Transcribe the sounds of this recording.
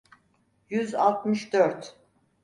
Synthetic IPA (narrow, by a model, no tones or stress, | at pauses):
jyza̰lˠt̪mɯʃd̪øɾt̪